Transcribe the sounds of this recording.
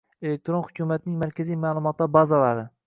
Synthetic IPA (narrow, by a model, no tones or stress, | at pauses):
ele̞k̚ʲt̪ɾonhʊkʰʲumat̪nɪŋmaɾkʲʰazijmaːlˠʊmɒt̪ːabazalaɾɪ